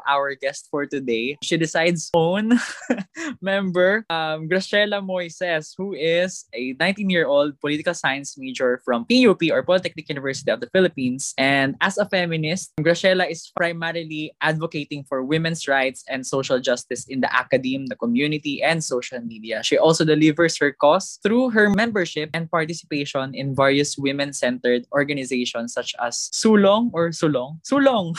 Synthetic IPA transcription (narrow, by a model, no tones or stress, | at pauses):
ʔawə˞ɡɛst̪̚fɔɹt̪ʊd̪eɪʃid̪ɪsajd̪sõʊn | mɛ̃mbɛɹʔɐmɡɹɐʃɛlɐmɔjsɛshuɪsɛnãj̃nt̪ĩnjiɹʔold̪̚pɔlit̪ɪkɐlsajɐ̃nsmed͡ʒɔɹfɹɔ̃mpijupiɔɹpɔlɪt̪ɛk̚nɪkjunɪvɛɹsɪ̥t̪iɔvd̪ɐfɪlɪpĩnsʔɛ̃nd̪ɐsɐfɛmɪnɪst̪̚mɡɹɐʃɛlɐʔɪspɹaɪmɛɾɪliʔad̪vɔket̪ɪ̃ŋfɔɹwɪmɛ̃nsɹaɪt̪sɛ̃nd̪soʃɐld͡ʒɐst̪ɪsɪ̃nd̪ɐ̰ʔa̰kɐd̪ĩmd̪ɐkɔmjunɪt̪iʔɛ̃nd̪sowʃɐlmid̪iɐʃiʔɔlsod̪ɛlɪvɛɹshɛɹkɔst̪ɹuːɦɛɹmɛ̃mbɛɹʃɪp̚ʔɛ̃nd̪̚paɹt̪ɪsɪ̥peɪʃɔ̃nɪ̃nvɛɹjʊswɪmɛ̃nsɛ̃nt̪ɛɹd̪ɔɹɡɐnɪzeɪʃɔ̃nsɐt͡ʃɐ̰sːuloŋɔɹsulɔŋsuloŋ